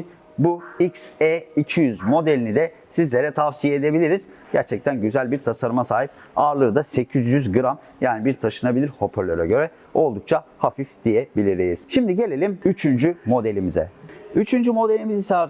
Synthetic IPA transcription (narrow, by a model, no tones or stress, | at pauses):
buicseicʰijyzmo̞d̪elʲinid̪ɛ | sizlʲeɾɛt̪ʰafsijeed̪e̞bilʲiɾiz | ɟ̥æɾt͡ʃʰɛc̚t̪ʰænɟyzælʲbiɾt̪ʰasaɾɯmasaːɦip̚ | aːɾlˠɯːd̪ase̞cʰizjyzɡɯɾam | jaːnibiɾt̪ʰaʃɯnabilʲiɾho̞pʰøɾlʲøɾɛɟø̞ɾɛ | o̞lˠd̪uk̚t͡ʃʰahafifd̪̥ijebilʲiɾijiz̥ʃimd̪iɟe̞lʲe̞lʲimyt͡ʃʰynd͡ʒymo̞d̪e̞lʲimizɛ̰yt͡ʃʰynd͡ʒymo̞d̪e̞lʲimizisa